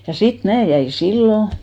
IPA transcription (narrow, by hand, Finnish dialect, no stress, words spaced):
jɑ sit mæː jæin̞ silːo